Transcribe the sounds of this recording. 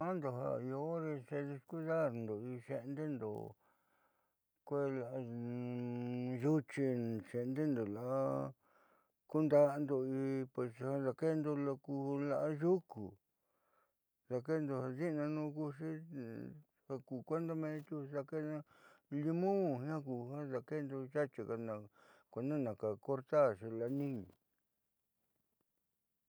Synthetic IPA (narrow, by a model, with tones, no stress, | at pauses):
a˦nd̪o˨ɦa̰˧˨˧o˧˦ɾe˧se˧ði˧sku˦ða˦˨ɾnd̪o˨i˧ʃe˧nd̪e˦nd̪o̰˨ | kʷe˦la˧˨˧ | ʒu˦t͡ʃi˧ʃe˧nd̪e˦nd̪o˨la˨ʔa˦ | ku˦nd̪a˧nd̪o˧i˧pwe˧sha˧ða˧ke˦˧nd̪o˧lo˧ku˧la˧ʔa˧ʒu˦kṵ˨ | za˧ke˦nd̪o˧ha˧zi˦ʔnã˧nũː˧ku˦˧ʃi˦ | ha˧ku˨kʷe˦nd̪a˦mẽ˧˦t̪u˦sa˧ke˦nã˧ | li˧mõ˦ɦã˦ku˧˨hã˦ða˧ke˦nd̪o˧ʒa˦t͡ʃi˧ka˧nã˧kʷe˧nã˦nã˨ka˨ko˦ɾt̪a˦˨ʃi˧la˧˨˦nĩ˦ɲĩ˨